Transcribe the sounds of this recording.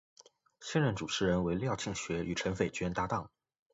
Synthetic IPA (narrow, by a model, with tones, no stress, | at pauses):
ɕjɛ˥˧nɻə˥˩nʈ͡ʂu˨˩ʈ͡ʂʰɻ̩˧˥ɻə˧˥nwe˧˥ɪljɑ˥˧ʊt͡ɕʰi˥˩ŋɕɥɛ˧˥ʔy˨˩ʈ͡ʂʰə˧˥nfe˨˩ɪt͡ɕɥɛ˥nt̪a˥t̪ɑ˥˩ŋ